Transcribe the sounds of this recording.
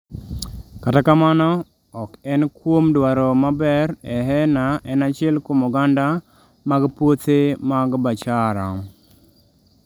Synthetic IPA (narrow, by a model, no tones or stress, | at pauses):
katakamanɔ | ɔkɛnkwomdwaɾɔmabɛɾɛɦɛnaʔɛnat͡ʃɪɛlkomɔɡanda | maɡpwotemaɡbat͡ʃaɾa̰ŋ